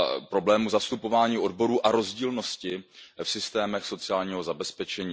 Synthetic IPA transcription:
pɾo̞blɛːmuzast̪upo̞vaːɲiːʔo̞dbo̞ɾuːʔaɾo̞zɟiːlno̞scɪfsɪst̪ɛːmɛxso̞t͡sɪaːlɲiːɦo̞zabɛspɛt͡ʃɛɲiː

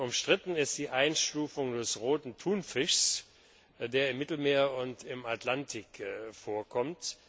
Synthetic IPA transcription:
ʊmʃtʁ̥ɪtn̩ɪstd̥iːʔaɪnʃtuːfʊŋdɛsʁoːtn̩tʰuːnfɪʃs | deːɐɪmːɪtl̩meːɐʊntɪmatlantʰɪkfoːɐkʰɔmt

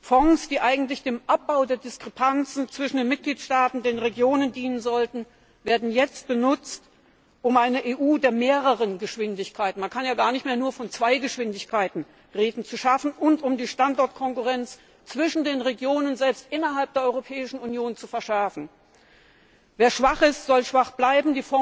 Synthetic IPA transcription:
fɔŋsd̥iːʔaɪɡŋ̩tlɪçd̥eːmʔap̚b̥aʊdeːɐdɪskʁ̥ɛpʰant͡sn̩t͡sv̥ɪʃn̩deːnmɪt̚ɡ̥liːtʃtaːtn̩deːnʁeɡjoːnəndiːnənzɔltn̩ | veːɐdn̩jɛt͡st̚b̥ənʊt͡st | ʔʊmʔaɪnəʔeːʔuːdeːɐmeːʁəʁənɡəʃv̥ɪndɪçkʰaɪtn̩mankʰanjaːɡaːɐnɪçtmeːɐnuːɐfɔnt͡sv̥aɪɡəʃv̥ɪndɪçkʰaɪtn̩ | ʁeːdn̩t͡suʃafn̩ʔʊntʊmdiːʃtantʔɔɐtkʰɔŋkuʁɛnt͡s | t͡sv̥ɪʃn̩deːnʁeɡjoːnənzɛlpstʔɪnɐɦalp̚d̥eːɐɔʏʁopʰɛːɪʃn̩unjoːnt͡sufɛɐʃɛɐfn̩ | veːɐʃv̥aχɪstz̥ɔlʃv̥aχb̥laɪbm̩diːfɔ

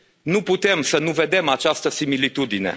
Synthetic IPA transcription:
nuput̪e̞msənuve̞d̪e̞mat͡ʃast̪əsimilit̪ud̪ine̞̰

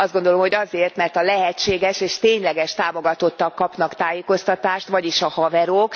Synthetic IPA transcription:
ɒzd̪ɡo̞nd̪o̞lo̞mho̞ɟɒzeːrt̪mɛrt̪ɒlɛɦɛt͡ʃːeːɡɛʃeːʃt̪eːɲlɛɡɛʃt̪aːmo̞ɡɒt̪o̞t̪ːɒkːɒpnɒkt̪aːjeːko̞st̪ɒt̪aːʃt̪ʋɒɟiʃɒhɒvɛɾok

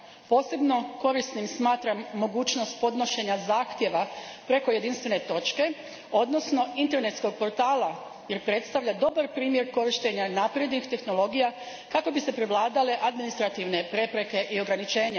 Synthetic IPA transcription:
po̞ːse̞bno̞ko̞ɾisnimsmaːt̪ɾamːo̞ɡuːt͡ʃno̞st̪̚po̞d̪no̞ʃe̞ɲazaːxt̪je̞ʋapɾe̞ko̞je̞d̪inst̪ʋene̞t̪o̞t͡ʃke̞ | o̞d̪no̞sno̞int̪e̞ɾne̞t̪sko̞ɡ̚po̞ɾt̪aːla | je̞ɾpɾe̞t̪st̪aʋʎad̪o̞baɾpɾiːmje̞ɾko̞ɾiʃt̪e̞ɲanapɾjed̪nixt̪e̞xno̞lo̞ɡija | kako̞bise̞pɾeʋlˠaːd̪ale̞ʔad̪minist̪ɾat̪iʋne̞pɾe̞pɾe̞ke̞ʔio̞ɡɾanit͡ʃe̞ːɲa

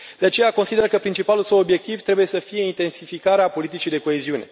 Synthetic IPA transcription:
d̪̥eat͡ʃe̞jakonsid̪e̞ɾəkəpɾint͡ʃipalulsəwo̞bje̞k̚t̪ivt̪ɾe̞buje̞səfije̞int̪e̞nsifikaɾeapo̞lit̪it͡ʃijd̪e̞ko̞eziune̞̰

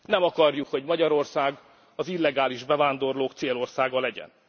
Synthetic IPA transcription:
nɛmɒkɒrjukho̞ɟmɒɟɒɾo̞rsaːɡ | ɒzilːɛɡaːliʒbɛvaːnd̪o̞rloːkt̪seːlo̞rsaːɡɒlɛɟɛ̰n

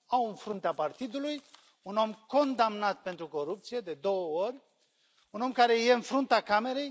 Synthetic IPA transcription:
awɨnfɾunt̪eapart̪id̪uluj | uno̞mko̞nd̪amnat̪̚pe̞nt̪ɾuko̞ɾup̚t̪sije̞d̪e̞d̪o̞wəo̞rʲ | uno̞mkaɾe̞je̞ɨnfɾunt̪akame̞ɾe̞j

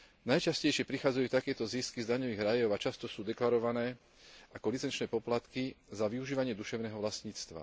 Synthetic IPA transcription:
najt͡ʃascɛjʃɪɛpɾixaːd͡zajuːt̪akɛːt̪ɔziːskizd̪aɲɔʋiːɣɾajɔʊat͡ʃast̪ɔsuːd̪ɛklaɾɔʋanɛː | akɔlit͡sɛnt͡ʃnɛːpɔplat̪kizaʋiuʒiːʋaɲɪɛd̪uʃɛʊnɛːɦɔʋlasɲiːt͡st̪ʋa̰

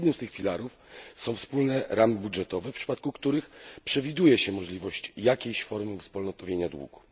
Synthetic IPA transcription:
d̪nɘmst̪ɘxfʲilaɾuf | sɔ̃w̃fspulnɛɾamɘbudʐɛt̪ɔvɛfpʂɘ̥pat̪̚kukt̪uɾɘxpʂɛvʲid̪ujɛɕɛmɔʐlʲivɔɕt͡ɕjakʲejɕfɔɾmfspulnɔt̪ɔvʲjeɲad̪wṵɡu

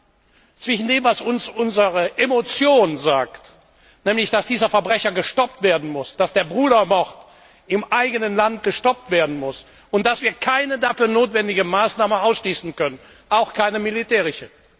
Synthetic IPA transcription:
t͡sv̥ɪʃn̩deːmvasʊnsʊnzəʁəʔemot͡sjoːnzaːkt | nɛːmlɪçd̥asd̥iːzɐfɛɐbʁɛçɐɡəʃtɔp̚tv̥eːɐdn̩mʊsd̥asd̥eːɐbʁuːɾɐmɔʁt | ɪmʔaɪɡənənlant̚ɡ̥əʃtɔp̚tv̥eːɐdn̩mʊs | ʊnt̚d̥asv̥iːɐkʰaɪnədafyːɐnoːtv̥ɛndɪɡəmaːsnaːməaʊsʃliːsn̩kœnən | ʔaʊxkʰaɪnəmilitɛːʁɪʃə

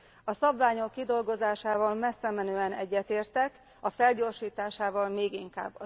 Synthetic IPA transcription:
ɒsɒbvaːɲo̞kːid̪o̞lɡo̞zaːʃaːvɒlmɛsːɛmɛnøːɛnɛɟːɛt̪eːrt̪ɛk | ɒfɛlɟo̞ːrʃiːt̪aːʃaːvɒlmeːɡiŋka̰ːbːɒ

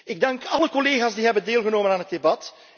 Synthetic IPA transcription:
ɪɡ̚dɑŋkɑləkɔleːɣaːzdiːɦɛbəndeːlˠɣənoːmənaːnɦət̚debɑt

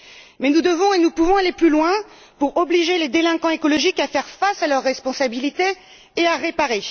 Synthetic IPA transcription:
mɛnud̪əvɔ̃enupuvɔ̃aleplylwɛ̃ | puʁɔbliʒeled̪elɛ̃kɑ̃ekɔlɔʒikafɛʁfasalœʁːɛspɔ̃sabilit̪eː | aʁepaʁe

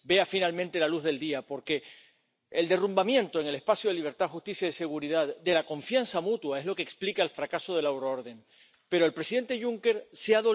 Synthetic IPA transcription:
be̞afinalmẽnt̪e̞laluɦðe̞ld̪iapo̞ɾke̞ː | ld̪e̞rumbamjẽ̞nt̪o̞eŋe̞le̞hpasjoðeliβ̞e̞ɾt̪aðxust̪isjaiese̞ɣ̞uɾiðaðd̪e̞lako̞ɱfjansamut̪wae̞ɦlo̞keksplikaelfɾakaso̞ð̞e̞lawɾooɾðe̞ŋ | pe̞ɾo̞elpɾe̞siðe̞nt̪eʝuŋke̞ɾseaðo

